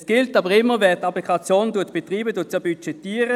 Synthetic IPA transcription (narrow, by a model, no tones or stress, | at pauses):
sɡ̥ɪltɑbəʁɪmːəvɛːt̪ɑplikʰɑt͡sjoːnduət̪b̥etʁiːbəduət̪̚t͡sobyt͡ʃɛtiːəʁə